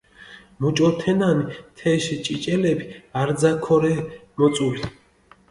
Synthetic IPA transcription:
mut͡ʃʼɔt̪ʰɛnanit̪ʰɛʃt͡ʃʼit͡ʃʼɛlɛbiaɾzakʰɔɾɛmɔt͡s̪ʼuli

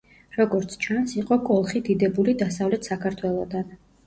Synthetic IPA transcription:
ɾɔɡɔɾt̪sʰt͡ʃʰansiqʼɔkʼɔlˠχid̪id̪ɛbulid̪asavlɛt̪ʰsakʰaɾt̪ʰwɛlˠɔd̪an

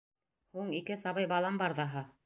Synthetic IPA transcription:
huɴikɘsɑβɤjbɑlˠɑmbɑɾðɑɦɤ

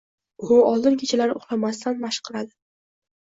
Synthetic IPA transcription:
ʊɒlˠd̪ɪnkʲʰet͡ʃʰalaɾɪʊχlamast̪anbaʃqʰɨɾad̪ɪ

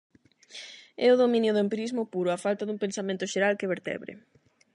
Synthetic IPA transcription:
ɛʊðomĩnjʊðʊempiɾizmʊpuɾʊafalt̪aðuŋmpensamẽnt̪ʊʃeɾalkeβeɾt̪ɛ̰βɾɪ̰

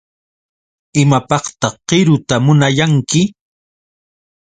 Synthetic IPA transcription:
ɪmapɑχt̪ɑχɢɪɾʊt̪amʊnajaŋkɪ

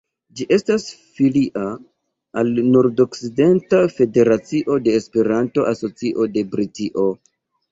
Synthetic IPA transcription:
d͡ʒiʔe̞stas | filiʔa | alnoɾdo̞kside̞ntafe̞de̞ɾat͡siʔo̞de̞ːspe̞ɾanto̞ʔaso̞t͡siʔo̞de̞bɾitiʔo̞

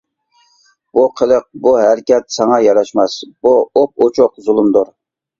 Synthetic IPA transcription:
b̥uqʰəlˠəq̚buɦæɾkʲɛt̪̚sɑŋɑjɑɾɑʃmɑsbuop̚ot͡ʃʰʊqzulˠɨmd̪ʊɾ

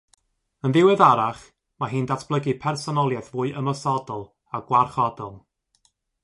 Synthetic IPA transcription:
ənðɪwɨðaɾaχ | maɦiːndatʰb̥lˠəɡɨpʰɛrsɔnɔlˠjaθvuːɨʔəmɔsɔdɔlˠ | aɡwarχɔdɔlˠ

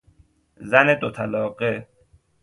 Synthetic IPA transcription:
zæned̪ot̪ʰælɒːɢe

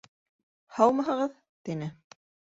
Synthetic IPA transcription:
hɑwmɑɦɑʁɤð | t̪inɘ

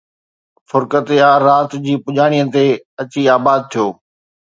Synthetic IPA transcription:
fʊɾkət̪eaːɾaːt̪d͡ʑiːpʊʄaːɽ̃ijət̪eɐt͡ɕiaːbaːd̪̚t̪ʰijoː

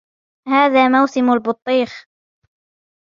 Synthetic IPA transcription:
haːðaːmawsɪmalbʊt̪ˤːiːx

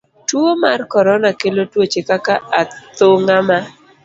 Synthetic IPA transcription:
twomarkɔɾɔnakelotwot͡ʃekakaat̪oŋama

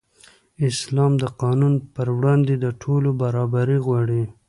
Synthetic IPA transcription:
ɪslɑmd̪əqɑnunpəɾwɽɑnd̪ed̪əʈʰolobaɾɑbaɾiɣwɑɽi

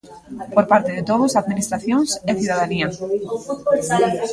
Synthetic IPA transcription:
poɾpaɾt̪eðet̪oð̞osaðmĩnist̪ɾaθjoŋseθuðaðania

